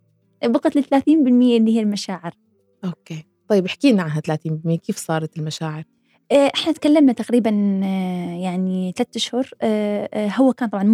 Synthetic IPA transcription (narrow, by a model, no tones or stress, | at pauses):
bʊqɑt̪lɪθalaːθiːnbɪlmɪjːalihalmaʃaːʕɪɾ | ʔoːkeː | t̪ˤɑjːɪbʔɪħkiːnmaʕaɦat̪alaːθiːnbɪlmɪjːakeːfsˤɑːɾˤɑt̪ɪlmaʃaːʕɪɾ | ʔːʔɪħnat̪kalːamnat̪aqɾiːban | jaʕniθalat̪ːaʃhʊɾ | hʊwːakaːnt̪ˤɑbʕɑn